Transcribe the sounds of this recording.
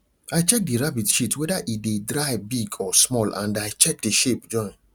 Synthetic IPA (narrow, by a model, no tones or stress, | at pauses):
ajt͡ʃɛk̚diɹabitʃitʰwɛdaʔidedɹaɪbiɡɔsmɔlã̰ndajt͡ʃɛk̚deʃep̚d͡ʒɔ̃ɪ̃n